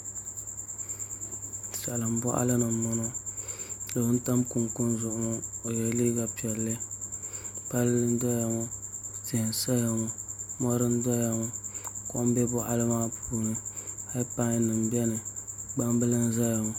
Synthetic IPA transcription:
sa˨lɨ˨m˨bʊ˦ʔa̰˦lɨ˦nɨ˨nɔ˦no˦ | lɨ˨bɨ˦n˦ta˦mku˨ŋku˦nzʊ˨ʔʊ˨ma˦o˨jɛ˨˦liː˦ɡa˨pi˨ɛ˨lːɨ˦ | pa˦lːɨ˦n˦dɔ˦ja˨ŋo˦tɪ˨hɪ˨nsa˦ja˨ŋɔ˨mɔ˦ɾɨ˦n˦dɔ˦ja˨ŋɔ˦ko˦m˦bɛ˦bʊ˦ʔa˦lɨ˦maː˦puː˦nɨ˦ha˦pa˦ŋ˦nɨ˨mbɛ˦nɨ˨ɡ͡ba˦m˦bɨ˦lɨ˦n˦za˦ja˨ŋɔ˨

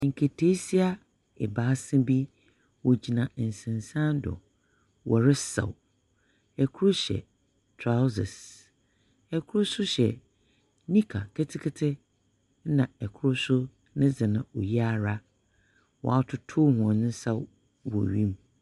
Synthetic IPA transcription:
ŋ̩˨kʰe˨tʰe˦si˦a˦ | ɛ̰˨baː˨˦sɪ̃˦bi˦ | wɔ˨d͡ʑi˨nã˨n̩˨sɪ̃˨n˨sã˦ndɔ̰˨ | wʔɔ˨ɾɪ˦sa̰˨w | ɛ˨kʰu˦ɾʊ˦ɕɛ̰˨ | tʰɾa˦sɪ̰˨s | ɛ˨kʰʊ˦ɾʊ˦sʊ˦ɕɛ˨ | nĩ˦kʰa˨kʰɛ˦tʰɪ˦kʰɪ˦tʰɪ˦ | nã˨ɛ˨kʰʊ˦ɾʊ˦sʊ˦ | nɪ̃˦zɪ˨nã˨ɔ˨ji˦a˦˨ɾa˦ | wɔ̰˨a˦tʰʊ˨tʰʊ˦hɔ̃˨nɪ̃˦sa˦w | wɔ̰˨ɥĩ˦m

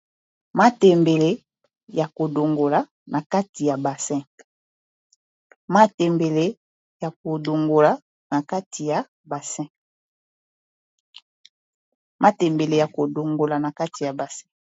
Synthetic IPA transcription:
ma˦tɛ˨mbe˨le˦ | ja˨ko˨do˨ŋɡo˨la˨ | na˨ka˦ti˨ja˨ba˨sɛ̃˦˨k | ma˦tɛ˨mbe˨le˦ | ja˨k̚o˨do˨ŋɡo˨la˨ | na˨ka˦tʰi˨ja˨ | ba˨sɛ̃˦k | mʔa˦tɛ˨mbe˨le˨ja˨ko˨do˨ŋɡo˨la˨na˨ka˦ti˨ja˨ba˨sɛ̃˦k

